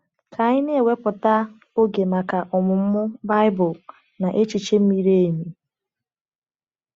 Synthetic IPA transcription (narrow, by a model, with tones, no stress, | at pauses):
kʰa˨ɲɪ˦ne˦e˨we˦pʊ˨ta˦ | o˦ɡe˨ma˨ka˨ʔɔ˨mʊ˨m̩˦mʊ˦ba˦ɪ˦bʊ˨ | na˨ʔe˦t͡ʃi˨t͡ʃe˦m̩˦mi˦ɾe˦e˨mi˨